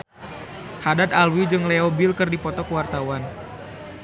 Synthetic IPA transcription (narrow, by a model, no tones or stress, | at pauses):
hadat̪alwid͡ʒɨŋlɛɔbilkɨrdipɔt̪ɔkəwart̪awan